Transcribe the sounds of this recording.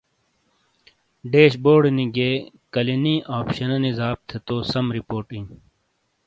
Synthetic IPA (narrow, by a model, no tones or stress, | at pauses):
ɖeːɕboːɽniɡeː | kɐliniʔaːpɕɐnɐnizaːb̚t̪ʰet̪oːsɐmɾipoːʈĩŋ